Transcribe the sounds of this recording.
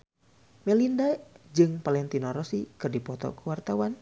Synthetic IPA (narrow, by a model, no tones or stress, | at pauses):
mɛlindad͡ʒɨŋpalɛnt̪inɔɾɔsikɨrdipɔt̪ɔ̰kuwart̪awan